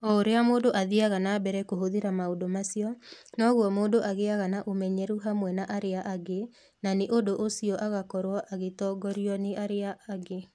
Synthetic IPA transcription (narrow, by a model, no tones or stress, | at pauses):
ɔoɾeamoːdoʔaðiaɣanaːbɛɾɛkoɦoðeɾamaodomasiɔnɔɣwɔmoːndoʔaɣeaɣanaʔomɛɲɛɾuɦamwɛnaʔaɾeaʔaɡe | naneʔodoʔosiɔʔaɣakɔɾwɔʔaɣetɔːɡɔɾiɔneʔaɾeaːɡe